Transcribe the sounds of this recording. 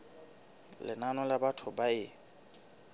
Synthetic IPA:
lɪnanɔlabatʰʊbaɪ

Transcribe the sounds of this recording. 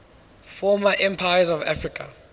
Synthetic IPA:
fɔmaʔɛ̃mpʰajazɔva̰fɹikʰa̰

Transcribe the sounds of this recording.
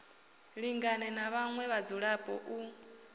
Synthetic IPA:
ɺiŋɡanɛnaβaŋwɛβad͡zuɺapʼɔ̰ʔu

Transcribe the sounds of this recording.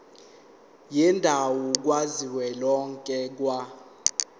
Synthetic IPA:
jindʱawɔk̬waziwɛlɔŋkʼɛk̬wa

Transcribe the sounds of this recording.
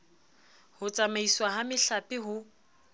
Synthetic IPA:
hʊt͡sʼamaiswaɦamɪɬapʼɪɦʊ

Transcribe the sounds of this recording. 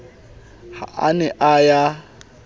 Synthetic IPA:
ha̰ʔanɛʔaja

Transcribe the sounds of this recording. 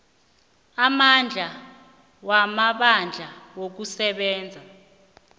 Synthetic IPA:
amand͡ɮʱa | wamaɓand͡ɮʱawok̬usɛɓɛːnd͡zʱa

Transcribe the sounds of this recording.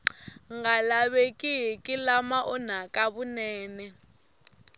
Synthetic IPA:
ŋɡalaβekʼiɦɛkʼilamaʔɔn̤akʼaβunɛːnɛ

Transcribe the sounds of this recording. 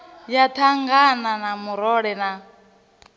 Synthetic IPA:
jatʰaŋɡananamuɾɔɺɛna

